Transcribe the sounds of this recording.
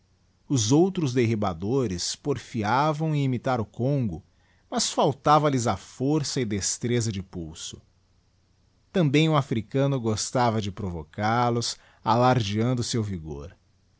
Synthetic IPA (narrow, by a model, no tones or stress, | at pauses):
ʊzowt̪ɾʊzd̪eɦibad̪oɾɪspoɾfiavɐ̃w̃ɪimit̪aɾʊkõŋɡʊ | mɐsfawt̪avɐlɪzafoɾsɐɪd̪est̪ɾezɐd͡ʒɪpuwsʊ̥ | t̪ɐ̃mbẽj̃ʊafɾikɐ̃nʊɡost̪avɐd͡ʒɪpɾovokaɾlʊs | alaɾd͡ʒiɐ̃nd̪ʊsewviɡo̰ɾ